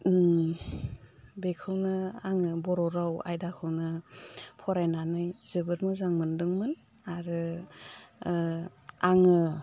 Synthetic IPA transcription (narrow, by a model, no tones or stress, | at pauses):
bekʰɯwnɯaŋɯbɔɾɔɾawa̰jdakʰɯwnɯpʰɔɾajnanɯjzɯbɯɾmɯzaŋmɯndɯŋmɯn | aɾɯ | aŋɯ